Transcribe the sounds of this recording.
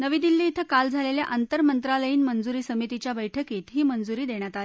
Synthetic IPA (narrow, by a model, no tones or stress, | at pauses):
nəʋiːd̪ilːiːt̪ʰəkald͡zʱaleljaʔant̪əɾmənt̪ɾaləjiːnmənd͡zuɾiːsəmit̪it͡ɕjabəjʈʰəkiːt̪ɦiːmənd͡zuɾiːd̪eɳ̃jat̪ale